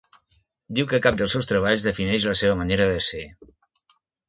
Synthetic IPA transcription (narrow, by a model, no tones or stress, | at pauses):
d̪iwkəkap̚d̪əlˠsewst̪ɾəβ̞aʎzðəfinɛʃləseβ̞əməneɾəðəse